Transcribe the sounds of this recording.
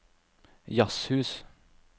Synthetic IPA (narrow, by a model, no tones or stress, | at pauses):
jɑshʉːs